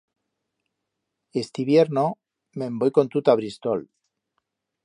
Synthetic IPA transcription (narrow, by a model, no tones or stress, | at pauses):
est̪iβje̞ɾno | membojko̞nt̪ut̪aβɾist̪ol